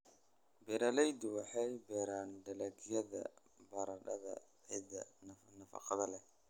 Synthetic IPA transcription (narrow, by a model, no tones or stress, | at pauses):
bɛɾɐlɛjd̪ʊwɑħɑjbɛːɾaːnɖɐlɐɡjɐðɐ̰ | bɐɾɐɖɐðɐ̰ | ʕid̪ɐnɐfɑ̰qɑðɐlɛ